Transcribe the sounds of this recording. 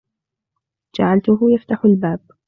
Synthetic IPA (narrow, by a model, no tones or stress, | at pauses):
d͡ʒaʕalt̪ʊɦʊjaft̪aħʊlbaːb̚